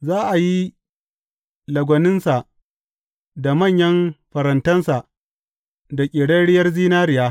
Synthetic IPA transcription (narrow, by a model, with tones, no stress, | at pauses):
zaː˦ʔa˨ji˦ | lɐ˨ɡʷɐ˨nɪ˦nsa˨ʔ | da˨mɐ˦˨ɲjɐ˦mɸɐ˨ɾɐ˨ntɐ˦nsa˨ʔ | da˨kʲʼɪ˨ɽɐ˦ɽɪ˦jɐ˦rziː˦naː˦ɾɪ˨jaː˦